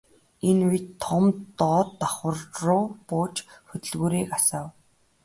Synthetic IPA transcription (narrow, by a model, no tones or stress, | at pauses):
enujt̪ʰːɔmt̪ɔːt̪ːaχwə̆rrʊːpʊːt͡ɕxɵt̪ɵ̆ɮɣuːɾeːkasaːw